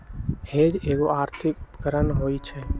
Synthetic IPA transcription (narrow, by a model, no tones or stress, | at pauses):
hed͡ʒeːɡoaːɾt̪ʰɪkupkəɾənɦoit͡ʃʰɛ